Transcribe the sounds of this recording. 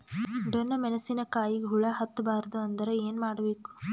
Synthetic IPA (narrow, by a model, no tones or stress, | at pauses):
ɖɔnːɐmɛnɐsːinɐkaːjiɡeɦuɭɐɦɐt̪ːɐbaːɾɐd̪uɐnd̪ɐɾeeːnmaːɽɐbe̞ːku̥